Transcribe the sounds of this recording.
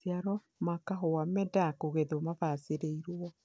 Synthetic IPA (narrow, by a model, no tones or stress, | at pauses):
sjaɾɔ | makaɦowamɛdakoɣeðomavaseɾeiɾoɔ